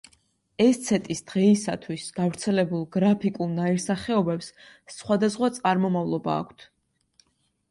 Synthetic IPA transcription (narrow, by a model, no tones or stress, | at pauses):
ɛst̪sʰɛt̪ʼisd̪̥ʁɛisa̰t̪ʰwisɡ̥avɾt̪sʰɛlɛbulˠɡɾapʰikʼulˠnaiɾsaχɛɔbɛpssχwad̪asχwat̪sʼaɾmɔmavlˠɔba̰ːkʷʰt̪ʰ